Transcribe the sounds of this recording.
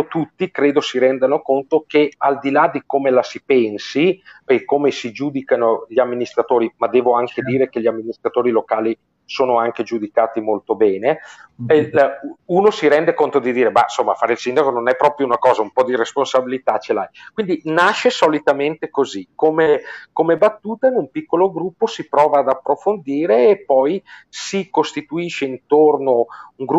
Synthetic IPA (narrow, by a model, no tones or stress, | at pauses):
ot̪ut̪ːikɾeːd̪osiɾɛnd̪anokont̪okeald̪ilad̪ikomelasipɛnsipekːomesid͡ʒud̪ikanoʎiamːinist̪ɾat̪oːɾimad̪ɛːvoaŋked̪iːɾek̟eʎiamːinist̪ɾat̪oːɾilokaːli | soːnoaŋk̟ed͡ʒud̪ikaːt̪imolt̪obɛːne | unosiɾɛnd̪ekont̪od̪id̪iːɾeba̰somːafaːɾeilsind̪akononɛpːɾɔːpɾjounakɔːzaumpɔd̪iɾesponsabilit̪at͡ʃelajkwind̪inaʃesolit̪ament̪ekozikomekomebat̪ːuːt̪ainumpikːoloɡɾupːosipɾɔːvaːd̪apːɾofond̪iːɾeːpːɔjsikost̪it̪uiʃeint̪ornouŋɡɾ